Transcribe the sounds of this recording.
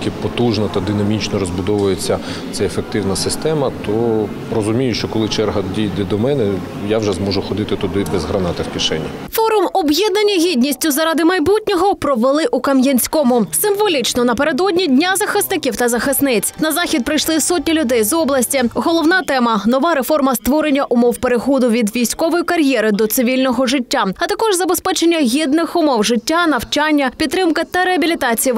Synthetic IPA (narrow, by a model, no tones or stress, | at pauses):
kɪpɔt̪uʒnɐt̪ɐd̪ɪnɐmʲit͡ʃnɔɾɔzbʊd̪ɔʋʊjet͡sʲːɐ | t̪sɛefek̚t̪ɪwnɐsɪst̪ɛmɐt̪ɔ | rɔzʊmʲijʊʃt͡ʃɔkɔlˠɪt͡ʃɛrɦɐdʲijd̪ɛd̪ɔmɛnɛ | jawʒɛzmɔʒʊxɔd̪ɪt̪ɪt̪ʊd̪ɪbɛzɦɾɐnɑt̪ɪwkʲɪʃɛnʲːɐ | fɔɾʊmɔbjɛd̪nɐnʲiɦʲidʲnʲisʲtʲʊzɐɾɑd̪ɪmɐjbutʲnʲɔɦɔpɾɔʋelˠɪʔukɐmjɐnʲsʲkɔmʊsɪmʋɔlʲit͡ʃnɔnɐpeɾed̪ɔdʲnʲidʲnʲazɐxɪsnɪkʲiwt̪ɐzɐxɪsnɪt͡sʲnɐzɑxʲid̪̚pɾɪjʃlˠɪsɔtʲnʲilʲʊd̪ɛjzɔblˠɐsʲtʲiɦɔlˠɔwnɑt̪ɛmɐnɔʋɑɾefɔrmɐst̪ʋɔɾenʲːɐʔʊmɔwpeɾexɔd̪ʊʋʲid̪ʋʲijsʲkɔʋɔjikɐɾʲjɛɾɪd̪ɔt̪sɪʋʲilʲnɔɦɔʐɪtʲːaɐt̪ɐkɔʐzɐbespɛt͡ʃenʲːɐɦʲid̪nɪxʊmɔwʐɪtʲːanɐwt͡ʃanʲːɐpʲid̪t̪ːɾɪmkɪt̪ɐɾeɐbʲilʲit̪ɑt͡sʲiji